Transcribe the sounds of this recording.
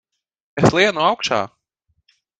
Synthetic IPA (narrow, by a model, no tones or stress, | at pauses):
eslʲˠiɛnuawkʃa̰ː